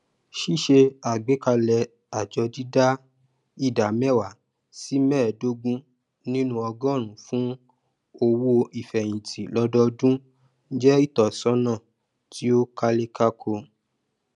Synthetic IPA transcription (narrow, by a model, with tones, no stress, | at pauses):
ʃi˦ʃe˧a˨ɡ͡be˨˦ka˧lɛ˧ | a˨d͡ʒɔ˧di˦da˦ | i˦˨da˨mɛ˦˨wa˨ | si˦mɛ̃ː˦˨do˦ɡũ˦ | nĩ˦nũ˦ɔ˧ɡɔ̃˦˨ɾ̃ũ˨˦fũ˦ | o˧wo˧i˨fɛ˨j̃ĩ˨tʰi˨lɔ˨˧dɔ˧dũ˦ | n̩˦d͡ʒɛ˦i˦˨tɔ˨sɔ̃˨˦nã˦˨ | ti˨˦o˦ka˧le˧ka˧kʰo˧